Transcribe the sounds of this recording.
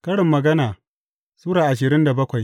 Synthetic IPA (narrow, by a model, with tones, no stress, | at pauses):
kɐ˦ɽɪ˨mːɐ˨ɡɐ˦naː˨ | suː˦ɽaː˨ʔa˨ʃ̬ɪ˨ɾɪ˦nda˨bɐ˦kʷa˨j